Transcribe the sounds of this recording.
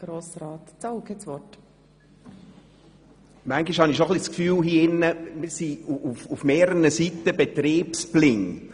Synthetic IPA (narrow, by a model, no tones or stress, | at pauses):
ɡ̥ɾoːsɾɑːt̪t͡sɔʊkət͡sʋɔt | mæŋɡiʃhɑniʃoχliskfyːlɦiːɪnːəmɪsiuufufmeːɾəənəsitəbɛt̪ɾiːpsplɪŋ